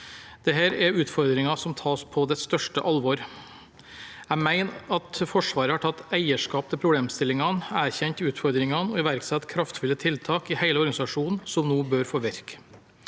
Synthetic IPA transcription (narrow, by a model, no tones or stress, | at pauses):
d̪̥ɛɦæːɾɛɾʉːt̪fɔɾd̪ɾɪŋɑsɔmt̪ʰɑːspʰɔd̪ɛst̪œʂʈə̰ʔɑlʋɔɾ | æmæɪnɑt̪fɔʂʋɑːɾəhɑʈʰɑt̪ːæɪəʂkɑːp̚t̪ʰɪlpʰɾʊbleːmst̪ɪlɪŋɑnæːɾçɛnt̪ɪʉːt̪fɔɾd̪ɾɪŋɑnɔɪʋæɾksɛt̪kʰɾɑft̪fʉlːət̪ʰɪlt̪ʰɑːkɪhæɪləɔɾɡɑnɪsɑʂuːnn̩sɔmnoːbøːɾfɔɾʋæɾk